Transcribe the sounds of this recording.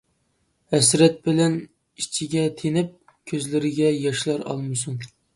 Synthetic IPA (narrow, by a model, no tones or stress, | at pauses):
hɛsɾɛt̪̚bɪlɛn | it͡ʃʰɪɡʲɛt̪ʰenɪp̚ | kʲʰøzlɪɾɪɡʲɛjɑʃlˠɑɾɑ̰lˠmɨsuŋ